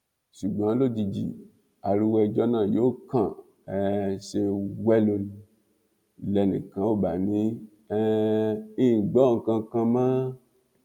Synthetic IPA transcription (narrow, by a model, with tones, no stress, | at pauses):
ʃu˨ɡ͡bã˨˦lo˦d͡ʒi˧d͡ʒḭ˨ | a˨ɾi˧wɛ˧d͡ʒɔ˦nã˦˨jo˨˦kã˨ | ɛ˨ʃe˧wɛ˦lo˧ni˧ | lɛ˧nḭ̃˨kã˨˦wo˦˨ba˨nĩ˨˦ | ɛ˦i˦˨ɡ͡bɔ˦˨ŋ̩˨kã˧kã˧mã˦